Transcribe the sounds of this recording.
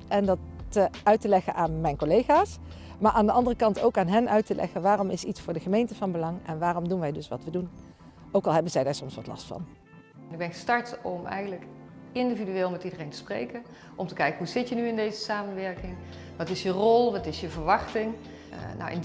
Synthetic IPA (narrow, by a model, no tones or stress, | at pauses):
ʔɛndɑtœɥtəlɛχənʔaːnmɛjnkolejχaːs | maːɹʔaːndəʔɑndərəkɑntowkaːnɦɛnʔœɥtəlʔɛ̰χənʋaːrɔmɪsitsfʊːɹdəχəmejntəvɑnbəlɑŋɛnʋaːrɔmdunʋɛjdɵsʋɑ̰tʋədun | owkɑlˠɦɛbənzɛjdaːɹsɔmsʋɑtlɑ̰stfɑ̰n | nɪɡ̚bɛnχəstɑɹtɔmɛ̰jχənlək | ɪndividyʋɪːlˠmɛtidərejntə̥sprḛjkən | ʔɔmtəkɛjkəɦuzɪtjənyɪndejzəsaːmənʋɛɹkɪŋʋɑtɪsjərɔlˠʋɑtɪsjəvəɹʋɑχtɪŋ | na̰wɪ̰n